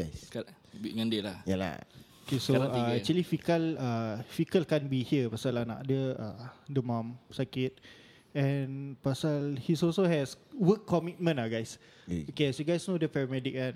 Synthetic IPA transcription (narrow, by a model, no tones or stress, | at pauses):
ajska | biŋãndilahjala̰okesoaɛkt͡ʃuəlifikəlafikəlkɛ̃nbihiəpasalanã̰ʔdəadəmãmsakɪt̪̚ | ɛ̃npasalhisɔlsohɛswəkːɔmit̚mə̃naɡajs | okesoɡajsnodəpɛɹamɛdik̚an